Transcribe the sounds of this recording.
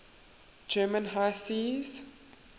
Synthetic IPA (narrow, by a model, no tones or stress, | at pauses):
d͡ʒɜːmə̃nɦajsiːz